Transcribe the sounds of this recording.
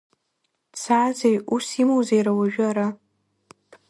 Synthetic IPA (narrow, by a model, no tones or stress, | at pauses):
t͡sʰaːzejusimowzejɾawaʒᶣʊaɾa